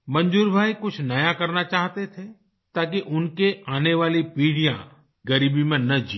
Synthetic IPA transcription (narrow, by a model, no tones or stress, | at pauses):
mɐ̃ɲd͡ʒuːɾbʱaːikʊt͡ʃʰnɐjakɐɾnat͡ʃaːɦt̪et̪ʰe | t̪aːk̬iʔʊnkeaːneʋaːlipiːɽijã̰ | ɡɐɾiːbimẽnɐd͡ʒiː